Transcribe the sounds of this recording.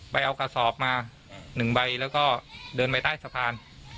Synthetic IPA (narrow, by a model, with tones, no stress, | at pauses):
ba˧jʔa˧wka˧sɔː˨˩˦p̚maː˧ | nɯ˨˩ŋba˧jlɛː˦˥wkɔː˥˩dɤː˧npa˧jt̪aː˥˩jsa˧pʰaː˧n